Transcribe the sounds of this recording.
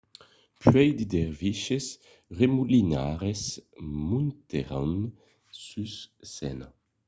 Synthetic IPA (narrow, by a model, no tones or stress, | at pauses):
pɥɛjd̪id̪ɛʁviʃes | ʁemulinaʁesmũnt̪eʁan | syssɛ̰na